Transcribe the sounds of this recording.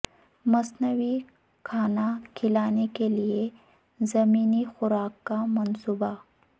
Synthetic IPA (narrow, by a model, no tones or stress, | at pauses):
mɐsnəwi | kʰaːnakʰɪlaːnekelie | zɐmiːnixʊɾaːkːamɐnsuːba